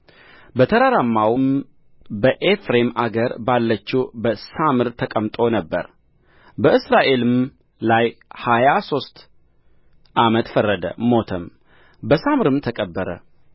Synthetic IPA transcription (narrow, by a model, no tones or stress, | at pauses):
bət̪ʰəɾaɾamːawɨm | bəʔefɾemaɡəɾbalːət͡ʃːɛwbəsamɨɾt̪ʰəkʼəmt̪ʼonəbːəɾ | bəʔɨsɾaʔe̞lɨm | lajhajaso̞st̪ | ʔamət̪fərːəd̪ə̰mo̞t̪ʰəm | bəsamɨɾɨmt̪ʰəkʼəbːəɾə̰